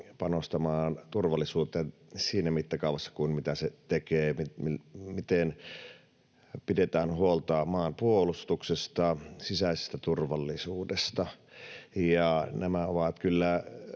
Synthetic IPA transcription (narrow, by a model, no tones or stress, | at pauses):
pɑnost̪ɑmɑːnt̪urʋɑlːisuːt̪ːˑen | siːnæmit̪ːækɑˑuʋɑsːɑ̥kuinmit̪æset̪ekeːmimmit̪en | pidet̪æːnhuolt̪ɑːmɑːnpuolust̪uksest̪ɑsisæˑisest̪æt̪urʋɑlːisuːdest̪ɑ | jɑnæmæoʋɑt̪kylːæ